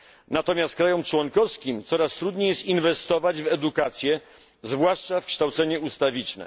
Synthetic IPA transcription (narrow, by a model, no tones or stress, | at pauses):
nat̪ɔmʲjast̪̚kɾajɔmt͡ʂwɔŋkɔfskʲimt̪sɔɾast̪ɾud̪ɲejɛst̪invɛst̪ɔvad͡ʑvɛd̪ukat̪sʲjɛ | zvwaʂt͡ʂafkʂt̪awt̪sɛɲɛust̪avʲit͡ʂnɛ̰